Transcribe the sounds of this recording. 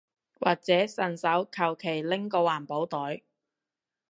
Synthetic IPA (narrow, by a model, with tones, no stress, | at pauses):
wʔa̰ː˨˩k̚t͡sɛː˨˥sɐ˨˩nsɐ˨˥wkʰɐ˨˩wkʰe˨˩jlɪ˥ŋkɔː˧waː˨˩npo˨˥wt̪ɔː˨˥j